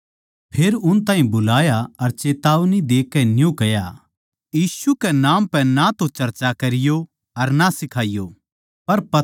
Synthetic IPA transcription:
pʰeːɾʊnt̪aːɦĩbʊlaːjaɐɾt͡ʃeːt̪aːʋnid̪eːkːɛnɪjõkɐja | jiːsukɛnaːmpɛ̃nat̪ot͡ʃɐɾt͡ʃakɐɾɪjo | ɐɾnasɪkʰaːɪjoː | pɐɾpɐ

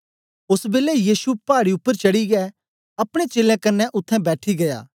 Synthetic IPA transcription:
ʊsbeːlɛjiːsupaːɽiʊpːəɾt͡ʃɐɽiɡɛ | ɐpɽ̃et͡ʃeːlɛ̃kɐɾnːɛʔʊt̪ʰːɛ̃bɛːʈʰiɡɐja̰ː

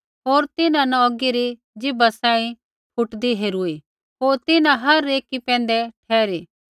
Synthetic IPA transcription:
ɦoːɾt̪ɪnãnɐɔɡiɾi | d͡ʒɪbasãːĩ | pʰʊʈd̪iɦeːɾui | ɦoːɾt̪ɪnãɦɐɾːeːkipɛ̃ːn̆d̪ɛʈʰɛːɾiː

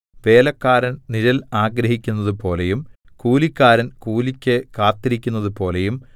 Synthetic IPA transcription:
ʋe̞ːlɐkːaːɾɐnniɾɐlaːɡɾɐɦikʲːunːɐðupo̞ːle̞jum | kuːlikʲːaːɾɐnkuːlikʲːɨkaːt̪ːiɾikʲːunːɐðupo̞ːle̞jum

